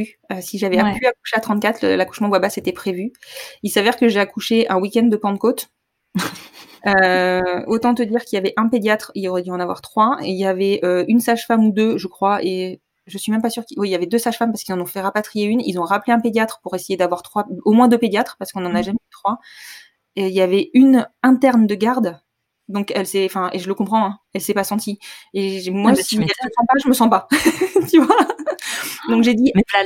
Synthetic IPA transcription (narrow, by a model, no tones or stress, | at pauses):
y | øsiʒavɛpyaku̥ʃeat̪χɑ̃t̪̚kʲat̪χlə̰laku̥ʃmɑ̃bwabaset̪ɛpχevyilsavɛʁkəʒeakuʃeʔɛ̃wikʲɛ̃nd̪d̪ːəpɑ̃d̪kot̪ | ø | ot̪ɑ̃t̪əd̪iʁkʲiljavɛʔɛ̃ped̪jat̪χilɔʁɛd̪yɑ̃navwaʁt̪χwaeiljavɛøynsaʒfamud̪øʒəkχwae | ʒəsɥimɛ̃mpasyʁkiwiiljavɛd̪øsaʒfampaʁskilzɑ̃nɔ̃fɛʁapat̪χijeynḭlzɔ̃ʁapleɛ̃ped̪jat̪χə̥puʁesejed̪avwaʁt̪χwaomwɛ̃d̪øped̪jat̪χpaʁsə̥kɔ̃nɑ̃naʒamɛyt̪χwa | əiljavɛynɛ̃t̪ɛʁnd̪əɡaʁd̪ | d̪ɔ̃kɛlsɛɑ̃fɛ̃ʔeʒələkɔ̃pχɑ̃ɛ̃ɛlsɛpasɑ̃t̪ieʒmwasiʒəsɑ̃paʒəməsɑ̃pat̪yvwa | d̪ɔ̃kʒed̪i